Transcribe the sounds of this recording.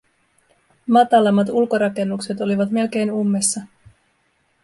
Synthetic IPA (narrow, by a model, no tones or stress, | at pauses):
mɑt̪ɑlɑmːɑt̪̬ulko̞ɾɑke̞nːukse̞t̪o̞liʋɑt̪me̞lk̟e̞jnumːe̞sːɑ